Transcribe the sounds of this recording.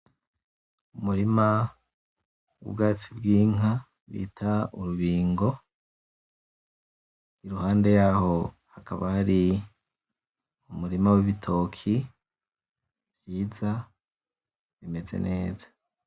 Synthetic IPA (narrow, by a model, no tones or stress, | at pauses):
umuɾima | wṵbɡaːt͡sibɡiːŋa | βḭːtʰauɾuβiːŋɡo̞ | iɾuhaːnde̞jaːho̞ | hakaβahaɾi | umuɾimawiβitʰo̞kʰi | vjiːza | βime̞zḛnʔe̞ːzḁ